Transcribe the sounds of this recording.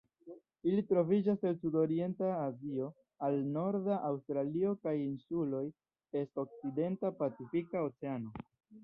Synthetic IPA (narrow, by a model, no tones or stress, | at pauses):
ilitɾo̞vid͡ʒaselsudo̞ɾie̞ntaːzio̞ | alno̞ɾdaʔawstɾalio̞kajinsulo̞j | e̞sto̞k̚t͡side̞ntapat͡sifikao̞t͡se̞ano̞